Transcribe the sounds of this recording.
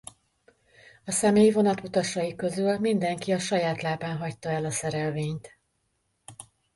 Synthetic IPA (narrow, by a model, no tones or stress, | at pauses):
ɒsɛmeːjvo̞nɒt̪ut̪ɒʃɒjikø̞zylmind̪ɛŋkiɒʃɒjaːt̪laːbaːnɦɒct̪ɒɛlɒsɛɾɛlveːɲt̪